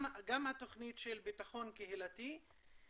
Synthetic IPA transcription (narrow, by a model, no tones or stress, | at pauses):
ɡamhat̪o̞χnitʃelbitaχo̞nkeɦilat̪i